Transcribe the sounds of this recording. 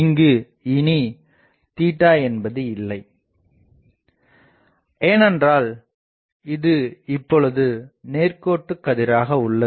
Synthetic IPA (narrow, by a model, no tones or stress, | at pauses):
ŋɡɯ | ɪni | t̪iːʈːaːɛnbɐðɯɪlːɐɪ | eːnɛndraːl | ɪðɯɪpːɔɭɯðɯneːrkoːʈːɯkːɐðɪɾaːɣɐʊɭːɐ